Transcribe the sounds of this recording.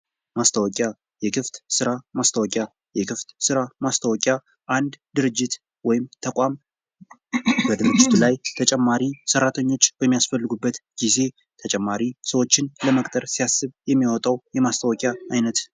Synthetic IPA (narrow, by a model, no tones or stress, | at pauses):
mast̪ʰəwɔkʼja | jɛkʰɨft̪sɨɾamast̪ʰəwɔkʼja | jɛkʰɨft̪sɨɾamast̪ʰəwɔkʼja | ʔand̪d̪ɨɾɨd͡ʒːɪt̪ | wɔjɪmt̪ʰəkʷʼam | bəd̪ɨɾɨd͡ʒːɪt̪ʰulajt̪ʰət͡ʃʼɛmːaɾisəɾrːat̪ʰəɲːo̞t͡ʃːbəmːijasfəlːɨɡubːət̪ɡ̥ize̞ | t̪ʰət͡ʃʼɛmːaɾisəwo̞t͡ʃːɪnləməkʼt̪ʼəɾsijasːɨβjɛmːijwɔt̪ʼawjɛmast̪ʰəwɔkʼjaajnət̪